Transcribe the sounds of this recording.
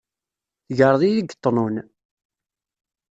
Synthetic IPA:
θʝəɾˤðˤijəɡt̪ˤːnun

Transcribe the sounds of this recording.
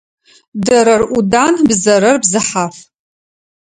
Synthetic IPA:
dɐɾɐrudaːnbzɐɾɐrbzɨħaːf

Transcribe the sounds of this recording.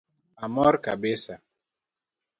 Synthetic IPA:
amɔɾka̰besa

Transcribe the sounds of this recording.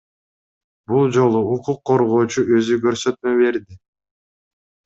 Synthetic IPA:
bulˠd͡ʒo̞lˠuːquqʰːo̞ɾʁo̞ːt͡ʃuʔø̞zykøɾsø̞t̪mø̞βe̞ɾd̪i

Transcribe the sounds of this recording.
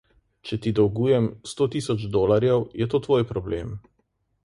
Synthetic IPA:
t͡ʃɛt̪id̪ɔwɡuːjɛmst̪oːt̪iːsɔd͡ʒd̪oːlaɾjɛwjɛt̪oːt̪ʋoːjpɾɔblḛm

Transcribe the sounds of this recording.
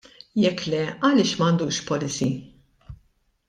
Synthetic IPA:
jɛkːlɛɐlɪːʃmɐnd̪uːʃpɔlɪsi

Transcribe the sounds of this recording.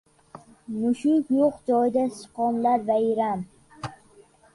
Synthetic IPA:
mʊʃʊkjʊqd͡ʒɒjɪd̪asɨ̥qɒnlaɾvaɪɾam

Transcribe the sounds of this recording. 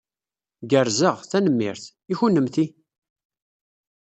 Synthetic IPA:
ɡəɾzəʁθænəmːɪ̰ɾθ | içunːəmθi

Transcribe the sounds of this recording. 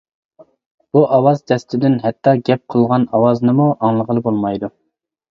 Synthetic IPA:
b̥uʔɑwɑzd͡ʒ̪ɛst̪ɪd̪ɪnɦɛt̪ːɑɡʲɛp̚qʰəlˠʁɑnɑwɑznɨmuʔɑŋlˠəʁəlˠɨbolˠmɑjd̪u

